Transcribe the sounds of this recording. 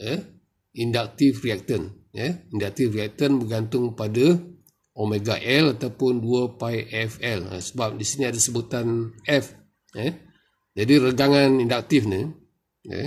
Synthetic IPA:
ə | indak̚t̪ifriak̚t̪ən | jəindak̚t̪ifriak̚t̪ənbəɡant̪ʊŋpada | omeɡaʔɛlat̪awpʊnduapajʔɛfɛlə̰səbap̚disiniadasəbut̪anɛf | ə | d͡ʒadiɾəɡaŋanindak̚t̪ifni | ə̰

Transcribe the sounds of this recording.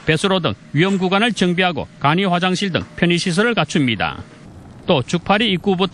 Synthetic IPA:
pe̞sʰɯɾodɯ̰ŋɥiɦʌmɡuɡwanɯɭt͡ɕʌŋbiɦaɡo̰kaɲiɸwad͡ʑaŋɕʰiɭdɯ̰ŋpʰjʌɲiɕʰis̬ʰʌɾɯɭkat͡ɕʰumɲida̰ | t͈ot͡ɕuk̚pʰaɾiːk͈ubutʰ

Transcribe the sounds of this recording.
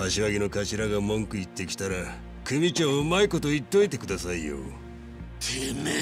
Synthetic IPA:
aɕiβaɡʲino̞kaɕiɾaɡamõ̞ŋkɯ̟it̪ːe̞kʲi̥t̪aɾa | kɯ̟mʲit͡ɕoːɯmaiko̞t̪o̞it̪ːo̞it̪e̞̥kɯd̪asaijo̰ | ene

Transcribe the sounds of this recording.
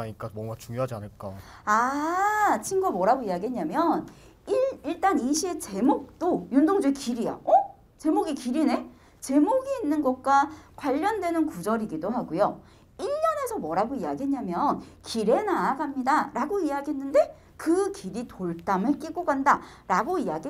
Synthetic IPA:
aɲik͈abʌŋɡat͡ɕuŋjoɦad͡ʑia̰nɯɭk͈a̰a | t͡ɕʰiŋɡamʌɾaɡoiaɡiɦeɲːamjʌn | iiɭt͈aniɕʰie̞t͡ɕe̞mok̚t͈ojundoŋd͡ʑuekiɾija̰ʌ | t͡ɕe̞moɡikiɾine̞ | t͡ɕe̞moɡiːnːɯnɡʌk͈wakwaʎːʌndwe̞nɯnkud͡ʑʌɾiɡidoɦaɡujo | iʎːʌne̞sʰʌmʌɾaɡoiaɡiɦe̞ɲːamjʌnkiɾe̞naːɡamɲidaɾaɡoiaɡiɦenːɯnde̞ | kɯkiɾitoɭt͈amɯɭk͈iɡoɡanda | ɾaɡoijaɡi

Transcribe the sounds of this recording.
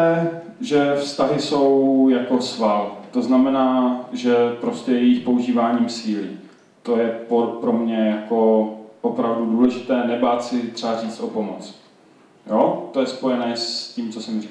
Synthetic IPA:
ɛ | ʒɛfst̪aɦɪso̞wjako̞svalt̪o̞znamɛnaːʒɛpɾo̞scɛjɛjɪxpouʒiːvaːɲiːmsiːlɪ | t̪o̞jɛpopɾo̞mɲɛjako̞ʔopɾavduduːlɛʒɪt̪ɛːnɛbaːt̪sɪt̪r̥ɛariːt͡st̪ʔo̞po̞mot͡s | joːt̪o̞jɛspo̞jɛnɛːsciːmt͡sosɛmri

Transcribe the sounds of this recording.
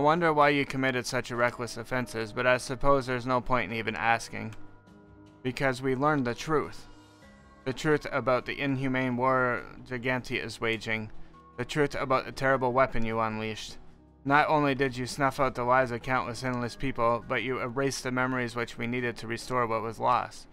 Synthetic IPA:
aɪwʌ̃ndə˞waɪjɨkʰɨmɪɾɨd̥sʌt͡ʃɨɹɛkləsɨfɛ̃nsɨzbʌɾaɪsɨpʰoʊzðə˞znoʊpʰɔ̃ɪ̃ntnivɨ̃næskɪ̰̃ŋ | b̥ɨkʰʌzwilɜ̃˞nðɨtʰɹ̥ʉθ | ðɨtʰɹ̥ʉθɨbaʊt̪̚ðḭʔɪ̃nɦjʉmẽɪ̃nwɔɹd͡ʒaɪɡæ̃ntʰiɨ̰zweɪd͡ʒɪ̃ŋ | ðɨtʰɹ̥ʉθɨbaʊt̪̚ɨtʰɛɹɨbl̩ˠwɛpɨ̃njɨə̃nliʃt | nəɾõʊ̃nlidɨd͡ʒɨsnʌfaʊt̪̚ðəlaɪzɨkʰãʊ̃nʔəsɪ̃nl̩ˠɨspʰipl̩ˠbʌt͡ʃɨɨɹeɪsðɨmɛmə˞izwɨt͡ʃwiniɾɨd̚tʰɨɹɨstɔɹwʌt̚wʌzlɔ̰st̚

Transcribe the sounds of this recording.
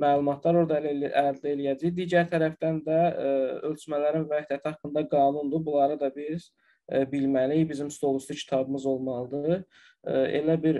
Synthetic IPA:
mælˠumɑt̪ʰlˠɑɾo̞ɾd̪ɑlæɾd̪æelijæd͡ʒijd̪iːɟæɾt̪ʰæɾæfd̪ænd̪æø̞lt͡ʃʰmælæɾinvæhd̪æt̪ʰiɑkːɯnd̪ɑɡɑːnund̪ubulˠɑɾɯd̪ɑbiz̥ | bilmælijbizimst̪o̞lˠuslˠucʰi̥t̪ʰɑbɯmɯzo̞lˠmɑlˠɯd̪ɯ | e̞̰læbiɾ

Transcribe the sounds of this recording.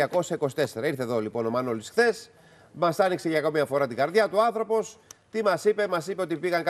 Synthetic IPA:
ɐko̞si̥ɐiko̞si̥t̪e̞se̞ɾɐiɾθeðo̞lipo̞no̞mɐnolisxθe̞s | mɐsɐnikse̞ʝɐkomiɐfo̞ɾɐt̪iɡɐɾðʝɐt̪uoɐnθɾo̞po̞st̪imɐsipe̞mɐsipeot̪ipiɣɐŋkɐ

